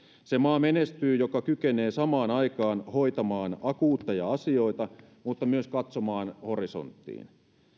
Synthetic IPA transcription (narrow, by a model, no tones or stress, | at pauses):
semɑːmenest̪yːjokɑkykene̞ːsɑmɑːnɑjkɑːnho̞jt̪ɑmɑːnɑkuːt̪ːɑjɑɑsio̞it̪ɑ | mut̪ːɑmyøskɑt̪somɑːnhoriso̞̰nt̪ːḭːn